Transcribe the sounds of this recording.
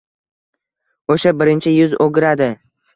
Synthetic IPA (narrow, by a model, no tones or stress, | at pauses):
oʃabɪɾɪnt͡ʃʰɪjʊzoɡʲɾad̪ɪ